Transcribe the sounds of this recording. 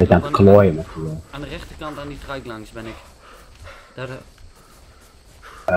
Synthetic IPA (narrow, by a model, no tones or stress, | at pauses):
ɪtantə̥klɔjəmətuəandərɛχtəkɑntanditrœɥklɑŋsbɛnɪk | d